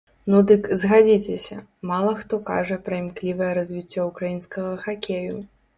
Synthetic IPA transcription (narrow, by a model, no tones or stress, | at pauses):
nud̪ɨkzɣad͡zʲit͡sʲɛsʲɐ | malˠɐxt̪ɔka̰ʐɐpɾɐimklʲivɐjɛɾɐzʲvʲit͡sʲːɔukɾajinskɐɣɐxakʲeju